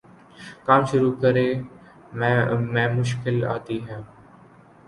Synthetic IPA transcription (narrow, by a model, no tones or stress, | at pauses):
kaːmʃʊɾuːkəɾeː | mɛ̃mɛ̃ːmʊʃkɪla̰ːt̪iːɦɛ̃ː